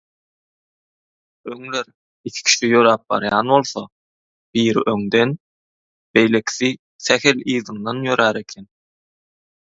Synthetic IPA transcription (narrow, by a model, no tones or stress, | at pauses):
øŋleɾ | ikʰi̥kʰi̥ʃijøɾɑːp̚bɑ̰ɾjɑːnβo̞lˠθo̰ | b̥iːɾḭʔøŋd̪e̞n | b̥e̞jle̞kʰi̥θi | sæxe̞liːðɯŋd̪ɑnjø̞ɾæːɾe̞kʰen